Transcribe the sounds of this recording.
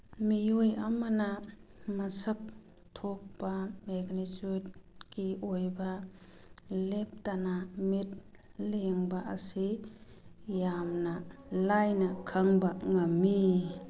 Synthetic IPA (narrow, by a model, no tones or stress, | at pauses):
mijojamanamɐsək̚ | tʰok̚pameɡnitud̚kiojbɐ | lep̚tanamit̚leŋbaʔɐsi | jamnɐlajnɐkʰəŋbaŋɐmːi